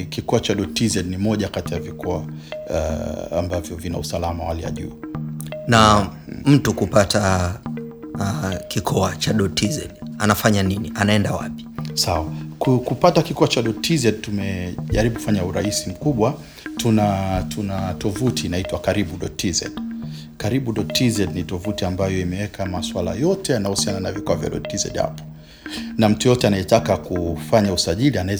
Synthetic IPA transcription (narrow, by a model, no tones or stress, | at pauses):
kikɔat͡ʃaɗɔtizɛɗnimɔʄakatijavikɔa̰ | a̰mbavjɔvina̰usalamawalija̰ʄṵː | nam̩tukupata | kikʰɔat͡ʃaɗɔtʰizɛ̰ɗanafaɲaniniʔanaɛndawa̰pi̥sawakukupatakikɔat͡ʃaɗɔtʰizɛd̚tumɛʄaɾiɓuku̥faɲauɾaisim̩kuɓwa | tunatʰunatɔvutʰinaitwakaɾiɓuɗɔtʰizɛ̰ɗ | kaɾiɓuɗɔtʰizɛdnitɔvutiambajɔimɛwɛkʰamaswala̰jɔtɛanahusiananavikɔwavja̰ɗɔ̰tizɛ̰ɗha̰pɔ̥ | nam̩tujɔtɛanajɛtakakufaɲausaʄilianaɛ